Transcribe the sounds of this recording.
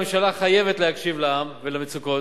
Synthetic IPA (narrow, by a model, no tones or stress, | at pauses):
emʃalaχaje̞vet̪lehakʃivlaamvelamet͡suko